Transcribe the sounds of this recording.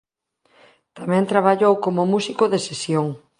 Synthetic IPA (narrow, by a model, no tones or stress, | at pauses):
t̪amɛ̃nt̪ɾaβ̞aʎowkomʊmusikoðesesjoŋ